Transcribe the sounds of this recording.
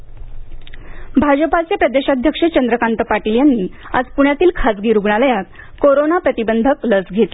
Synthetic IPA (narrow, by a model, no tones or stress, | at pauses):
bʱad͡ʑəpat͡sepɾəd̪eɕad̪ʱjəkʂət͡ɕənd̪ɾəkant̪əpaʈiljanːiːa̰d͡zpuɳ̃jat̪iːlkʰat͡sɡiːɾuɡɳaləjat̪̚ | koɾonapɾət̪ibənd̪ʱəkləsɡʱet̪e